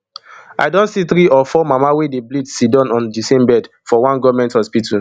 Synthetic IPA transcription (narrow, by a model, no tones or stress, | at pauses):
a̰ɪdõntsiθɾiɔfɔmamawedeblidsidɔ̃nɔ̃ndisẽmbɛd | fɔwãnɡɔvmɛ̃nthɔspitʰul